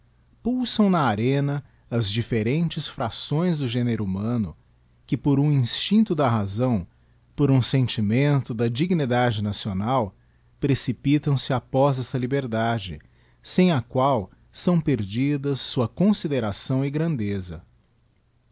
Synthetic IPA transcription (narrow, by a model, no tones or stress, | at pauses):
pusɐ̃w̃nɐaɾẽnɐ | ɐzd͡ʒifeɾẽnt͡ʃɪsfɾasõj̃zd̪ʊʒẽneɾʊumɐ̃nʊ̰ | kɪpoɾũĩst͡ʃĩnt̪ʊd̪ɐɦazɐ̃w̃ | poɾũsẽnt͡ʃimẽnt̪ʊd̪ɐd͡ʒiɡnid̪ad͡ʒɪnasionaw | pɾesipit̪ɐ̃w̃sɪapɔzɛsɐlibeɾd̪ad͡ʒɪ̰ | sẽj̃ɐkwaw | sɐ̃w̃peɾd͡ʒid̪ɐsːuɐkõsid̪eɾasɐ̃w̃ɪɡɾɐ̃nd̪ezɐ̰